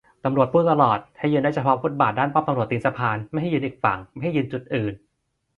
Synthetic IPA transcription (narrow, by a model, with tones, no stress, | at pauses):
t̪a˧mɾu˨˩ət̪̚puː˧˥˩t̪a˧lɔː˨˩t̪̚ha˥˩jɯː˧ndaː˥˩t͡ɕa˧˩pʰɔː˦˥fʰu˦˥˩t̪̚baː˨˩t̪̚daː˥˩npaː˥˩mt̪a˧mɾu˨˩ət̪ːi˧nsa˧pʰaː˧nma˥˩jɦa˥˩jːɯ˧nʔiː˨˩k̚fa˨˩ŋma˥˩jɦa˥˩jɯ˧nt͡ɕu˨˩t̪̚ʔɯː˨˩n